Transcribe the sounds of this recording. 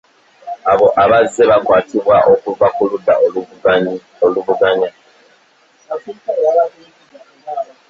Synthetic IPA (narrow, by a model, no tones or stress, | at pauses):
aβo̞ʔaβazːe̞βakwaːtʰiβwaʔo̞kuvakuludːa̰ | oluvuɡaɲa